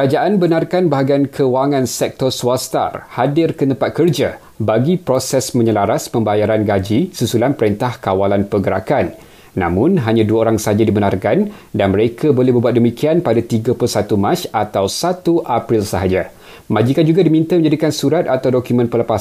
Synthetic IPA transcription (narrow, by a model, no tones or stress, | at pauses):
ɾad͡ʒaʔanbənarkanbaɦaɡankʰəwaŋãnsɛk̚t̪ɔrsuast̪a̰rhadɪrkət̪əmpat̪̚kərd͡ʒa | baɡipɾosɛsmə̃ɲəlaɾaspəmbajaɾanɡad͡ʒisusulanpəɾɛnt̪ahkawalanpəɡəɾakanː | ã̰mʊ̃nɦaɲãduaoɾaŋsəad͡ʒadibənarkan | danmə̃ɾekʰabolɛhbəbuat̪̚dəmĩkʰianpadat̪iɡapulsat̪umãt͡ʃat̪awsat̪uʔapɾilsəɦad͡ʒa | mãd͡ʒikand͡ʒuɡadimĩnt̪amə̃ɲd͡ʒadikansuɾat̪̚at̪awdokumə̃npələpas